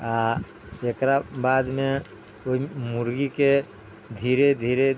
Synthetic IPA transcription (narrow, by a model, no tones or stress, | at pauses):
a | ekɾabaːd̪me | oimʊɾɡike | d̪ʱiːɾed̪ʱiːɾe